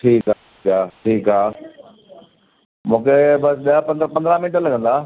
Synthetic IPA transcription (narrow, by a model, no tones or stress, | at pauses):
ʈʰiːkaːikaːʈʰiːkaː | mũːkʰebɐsɓiəpɐ̃nd̪pɐ̃nd̪ɾãmɪ̃nɪʈəlɐɡʱə̃nd̪aː